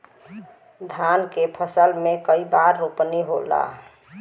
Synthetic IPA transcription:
d̪ʱankepʰəsəlmekəibaɾːopniɦola̰

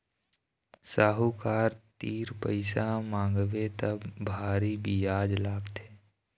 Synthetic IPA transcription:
saːɦukaːɾt̪iːɾpəɪsamãːŋɡʋet̪əbbʱaːɾibijaːd͡ʒlaːɡt̪eː

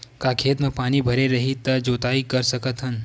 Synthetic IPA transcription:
kaːkʰeːt̪mẽpaːnibʱɐɾeɾɐɦit̪ːəd͡ʒoːt̪aːikəɾsɐkət̪ɦən

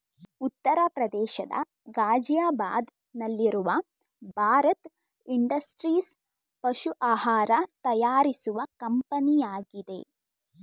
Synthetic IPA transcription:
ut̪ːɐɾɐpɾɐd̪ɛːʃɐd̪ɐ̰ | ɡaːd͡ʒjaːba̰ːd̪ | nɐlːiɾuʋɐ | bʱaːɾɐt̪ | iɳɖɐsʈɾiːs | pɐʃuʔaːɦaːɾɐt̪ɐjaːɾisuʋɐkɐmpɐnijaːɡid̪e̞̰

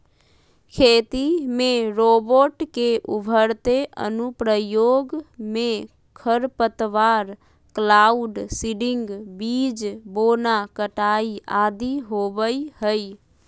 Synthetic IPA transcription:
kʰet̪imeɾoboʈkeʔubʱəɾt̪eʔə̰nupɾəjoɡme | kʰəɾpət̪ʋaɾ | klauɖsiɖiŋɡbid͡ʒbonakəʈaiad̪iɦobəjhəj

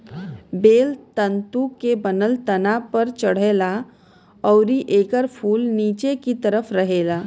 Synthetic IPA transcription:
beːlt̪ə̃nt̪ukebənəlt̪ənapəɾt͡ʃəɽ̤eːla | ɔːɾiʔeːkəɾpʰuːlniːt͡ʃekit̪əɾəpʰɾəɦeːlaː

